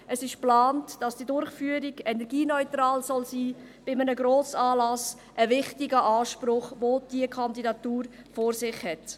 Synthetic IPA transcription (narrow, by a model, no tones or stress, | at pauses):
əsɪʃplaːntd̥ɑsd̥iːdʊɾχfyːəɾiɡ̥ɛnɛɾɡiːnɔʏtɾɑːlsɔlsiː | b̥ɪmənəɡɾoːsɑːlɑs | ʔəvɪχtɪɡəʔɑːʃpɾʊχʋoːd̥iəkʰɑndidɑtuːɾ | foːɾsɪχhɛt